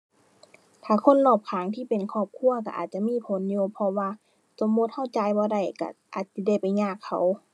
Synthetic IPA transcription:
t̪ʰaː˧˩kʰo˧˥˨nːɔː˧˩p̚kʰaː˨˦ŋt̪ʰiː˧˥˨pe˨nkʰɔː˧˩p̚kʰu˧˨ɐka˧˩ʔa̰ː˨˩t̪̚t͡ɕa˧˨miː˧˥˨pʰo˨˦njuː˧pʰɔ˧waː˧ | so˨˦mːo˧˦t̪̚ha˧˥˩wt͡ɕa˧˦jbɔː˧˦da˧˩jka̰˧˩ʔaː˨˩t̪̚si˧˦da˧˩jpa˨jɲaː˧˩kʰːa̰˧˨˦w

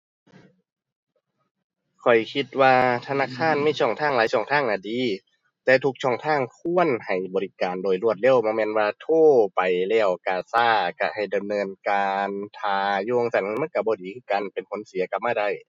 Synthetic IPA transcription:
kʰɔ˨˩jkʰi˧t̪̚waː˧t̪ʰa˧naː˧˥˨kʰaː˧˥˨nmaː˧˥˨t͡ɕʰɔː˧˩ŋt̪ʰaː˧˥˩ŋlaː˨˦jsʰɔː˧˩ŋt̪ʰaː˥˩˨ŋnaː˧˩diː˨˧˦ | t̪ɛː˧t̪ʰu˧k̚t͡ɕʰɔː˧˩ŋt̪ʰaː˧˥˩ŋkʰu˧˥˨ənha˨˩jbɔː˨li˦˧kaː˨ndoː˨jlu˧˩ət̪̚le˧˥˨wmɔː˧˦mɛː˧˨nwaː˧t̪ʰoː˧˥˩pa˨jlɛː˧˩wkaː˨˧˩saː˧˩ka˧˩ha˨˩jda˨mnɤː˧nkaː˧nt̪ʰaː˨˧˩juː˧˨˧ŋsa˨˧˦n˧˩ma˧˥˨nka˧˩bɔː˧˦diː˨˩kʰɯː˧˥˩ka˧˨npe˨nkʰo˨˦nsi˨˦ɐka˧p̚maː˧˥˨da˧˩˨j

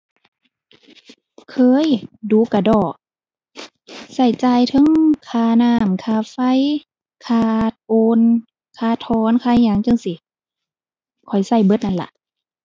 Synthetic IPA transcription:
kʰɤː˧˦˨jduː˧˦ka˧˩dɔː˧˩ʔ̚ | sa˧˩jt͡ɕaː˧jt̪ʰɤ˧˥˦ŋkʰaː˧˩naː˧˩mkʰaː˧˩fa˧˥˨j | kʰaː˧t̪̚ʔoː˧n | kʰaː˧˩t̪ʰɔː˧˦nkʰaː˧˨ɲaː˧˥˨ŋt͡ɕɤ˧˨ŋsi˧˦ | kʰɔ˨˩jsa˧˩jbɤ˧˦t̪̚ʔa˧˥nla̰˧ʔ

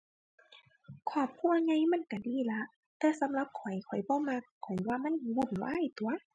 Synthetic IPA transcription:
kʰɔː˧˩p̚kʰuː˧˥˨ɐ˨ŋa˧˨jma˧˥˨nka˧˩diː˧˥˨la˧˥ʔ | t̪ɛː˧˦sa˨˦mla˧˦p̚kʰɔ˨˩jkʰɔ˨˩jbɔː˧˦˨ma˧˥kʰːɔ˨˩jwaː˧˨ma˧˥˨n˧bu˧˩˨nwa̰ː˧˥˨jt̪u˨˦ɐ

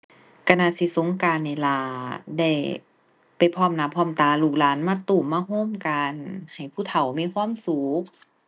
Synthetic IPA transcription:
ka˧naː˧si˧so˨˦ŋkaː˧nːa˧˩laː˧˩da˧˩j | pa˨˩jpʰɔː˧˥˨mnaː˧˩pʰɔː˧˥˨mt̪aː˧˩luː˧˩k̚laː˨˥nmaː˧˥˨t̪uː˨˩mːaː˧˥˨ɦoː˧˥˨mkaː˧nha˨˩jpʰuː˧˥˩t̪ʰa˨˩wmiː˧˥˨kʰwaː˧˥˨msuː˨˦k̚

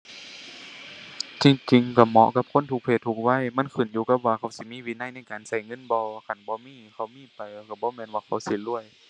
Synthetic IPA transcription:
t͡ɕi˧ŋt͡ɕi˧ŋka˧˩mɔ̰˧˨ka˧˥p̚kʰo˧˥˨nt̪ʰu˧k̚pʰeː˧˩t̪ʰːu˧k̚wa˧˥˨jma˧˥˨nkʰɯː˧˩˨njuː˧˦ka˧˥p̚waː˧kʰa˧˩wsi˧˦miː˧˥˨wiː˧˥na˧˥˨jna˧˥˨jkaː˨nsa˧˩jŋɤ˧˥˨nbɔː˧kʰa˧˨nbɔː˧˦miː˧˥˨kʰa˧˩˦miː˧˨pa˨jka˧˩bɔː˧˦mɛː˧˨nwaː˧˩kʰa˧˩wsi˧˦lu˧˩əj

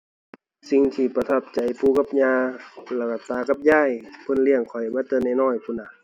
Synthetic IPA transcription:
si˧ŋt̪ʰiː˧˩pa˧t̪ʰa˧˩p̚t͡ɕa˨˩jpuː˧˦ka˧˥p̚ɲaː˧lɛː˧˩ka˧˩t̪aː˧ka˧˦p̚jaː˧˩˨jpʰɤ˧˥˨nli˧˩əŋkʰɔ˨˩jbaː˧˥˨t̪ɤː˧˥˨nːa˧˩jnɔː˧˩˨jkʰuː˧˥˨na˧˩

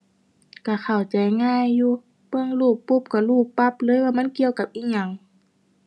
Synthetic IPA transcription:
kaː˧˩xʰa˨˩wt͡ɕa˨˩jŋaː˧˩˨jːuː˧ | bɯ˧˨əŋluː˧˩pːu˧˥˨p̚kɔ˧˩luː˧˩pːa˧˥˨p̚lɤː˧˥˨jwaː˧ma˧˥˨nki˧˨əwka˧p̚ʔiː˧˥ɲa˧˩˨ŋ

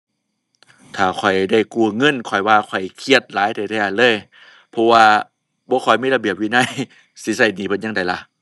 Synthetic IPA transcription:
t̪ʰaː˨˩kʰɔ˨˩jda˧˥˩jku˧˩ŋɤ˧˥˨nkʰɔ˨˩jwaː˧˩kʰɔ˨˩jkʰi˧ət̪̚laː˨˦jt̪ʰɛː˨˧˩t̪ʰɛː˧˨a˧˨nlɤː˧˥˨j | pʰɔ˧waː˧ | bɔː˧˦kʰɔ˨˩jmiː˧˥˨la˧bi˨˩əp̚wiː˧˥˨na˧˥˨j | si˧˦sa˧˩jniː˧˩pʰɤ˧˥˨nɲa˧˨ŋda˨˩jla˧˩

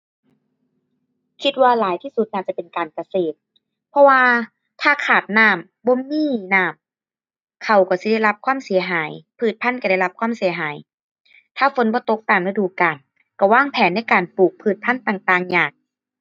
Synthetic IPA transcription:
kʰi˧˥t̪̚waː˧laː˨˦jt̪ʰiː˧˥˨su˧˦t̪̚naː˧˩t̚t͡ɕa˧˩pe˨nkaː˨nka˧seː˨˩t̪̚ | pʰɔ˧waː˧ | t̪ʰaː˧˩kʰaː˨˩t̪̚naː˧˩m | bɔː˧˦miː˧˥˩naː˧˥˩m | kʰa˧˩wkɔ˧˩si˧˦da˧˥˩jla˧p̚kʰwaː˧˥˨msi˨˩˦ɐɦaː˨˩˦jpʰɯː˧˩t̪̚pʰa˧˥˨nka˧˩da˥˩jla˧p̚kʰwaː˧˥˨msi˨˩˦ɐɦaː˨˩˦j | t̪ʰaː˧˥˩fo˨˦nbɔː˧˦t̪o˧˦˥k̚t̪aː˨˩mla˧˩duː˨˩kaː˨˩n | kɔ˧˩waː˥˩ŋpʰɛː˨˦nːa˧˥˩jkaː˨˩npuː˨˩k̚pʰɯː˧˩t̪̚pʰa˧˥˨nt̪aː˨˩ŋt̪aː˧˩ŋɲaː˨˩k̚

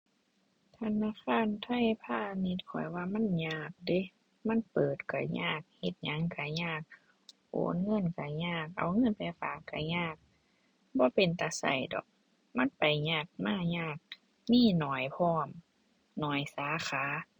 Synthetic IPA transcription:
t̪ʰa˧˥naː˧˥˨xʰaː˧˥˨nt̪ʰa˧˥˨jpʰaː˧˩ni˧˥t̪̚kʰɔ̰˨˩jwaː˧˨ma˧˥˨nɲaː˧˩k̚de˧˦ | ma˧˥˨npɤː˨˩t̪ka˧˩ɲa̰ː˧˩k̚he˧˦t̪̚ɲa˧˦ŋka˧˩ɲaː˧˩k̚ | ʔo̰ː˨˦nŋɤ˧˥˨nka˧˩ɲaː˧˩k̚ʔa̰˨wŋɤ˧˥˨npɛ˧˦fa̰ː˨˩kːa˧˩ɲaː˧˩k̚ | bɔː˧˦pe˨nt̪a˧˦sa̰˨˩jdɔ̰˨˩k̚ | ma˧˥˨npa˨jɲaː˧˩k̚maː˧˩ɲaː˧˩k̚ | miː˧˥˨nɔː˨˩jpʰɔː˧˥˨m | nɔː˨˩jsaː˨˦xʰaː˨˦

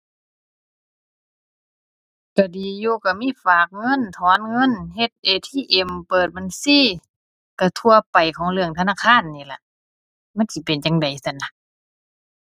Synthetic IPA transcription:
ka˧˩diː˨˩juː˧ka˧˩miː˧˥˨faː˨˩k̚ŋɤ˧˥˨nt̪ʰɔː˨˦nŋɤ˧˥˨nɦe˧t̪̚ʔeː˨˧t̪ʰiː˧˥˨ʔe˨mpɤː˨˩t̪̚ba˧˨nsiː˧˥˨ | ka˧˩t̪ʰu˧ɐpa˨jkʰɔː˨˦ŋlɯ˧əŋt̪ʰa˧naː˧˥˨kʰaː˧˥˨nːiː˧˩˨la˧ | ma˧˥˨nsi˧˩pe˨nt͡ɕa˨ŋda˨˩jsa˧˨nla˧

